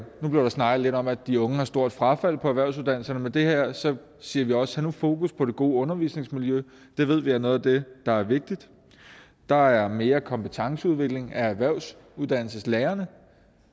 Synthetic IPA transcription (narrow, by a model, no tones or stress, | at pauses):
nub̥liɐɾ̥ɑ̈snɑ̈ɡ̥ð̩ˠle̝ɾɒ̽mæd̥iɔ̽ŋəhɑ̈sd̥o̝ɐ̰d̥fʁɑ̈fæl̰pʰɒ̽æʋæɐʊsuð̞ˠd̥æn̰l̩sɐnəmed̥e̝hæɐ̰sɒ̽ | siːɐʋiɒ̽sə̥hænufo̝̰ːkuspʰɒ̽ɾ̥e̝ɡ̥o̝̰ːɔ̽nɐʋḭːsne̝ŋsmiljø | d̥e̝ʋe̝ð̞̰ˠʋiænɔ̽ːð̩ˠd̥e̝d̥ɑ̈æɐʋe̝ɡ̥̚d̥id̥ | d̥ɑ̈æɐme̝ːɐkʰɒ̽mpət͡sʰɑ̈ŋsəuð̞ˠʋe̝ɡ̥le̝ŋææʋæɐʊ̰s | uðˠd̥æn̰l̩səsleːɐnə